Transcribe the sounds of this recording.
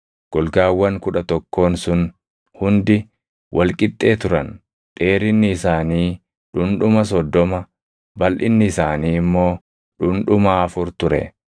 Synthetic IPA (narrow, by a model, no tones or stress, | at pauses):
ɡ̥ɔlɡaːwːɐŋkʊᶑɐt̪ɔkːo̞ːnsʊn | hʊnd̪ɪ | wʔɐlkʼɪt̪ʼːe̞ːt̪ʊɾɐn | ᶑ̥e̞ːɾɪnːɪːsaːniː | ᶑʊnᶑʊmɐs̬ɔd̪ːɔmɐ | bɐlʔɪnːɪːsaːniːɪmːo̞ː | ᶑʊnᶑʊmaːɐfʊɾt̪ʊɾɛ̰